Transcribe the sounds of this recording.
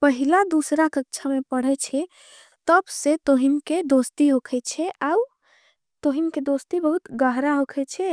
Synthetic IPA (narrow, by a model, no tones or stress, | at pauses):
pəɦilad̪usɾakək̚t͡ʃʰamepəɽ̤ɛt͡ʃʰɛ | t̪əbsẽt̪oɦinked̪ost̪iɦokʰɛt͡ʃʰɛʔau | t̪oɦinked̪ost̪ibəɦut̪ɡəɦɾaɦokʰɛt͡ʃʰɛ